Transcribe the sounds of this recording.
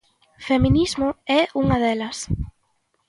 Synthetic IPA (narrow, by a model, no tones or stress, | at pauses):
femĩnizmʊɛuŋɐðɛlɐs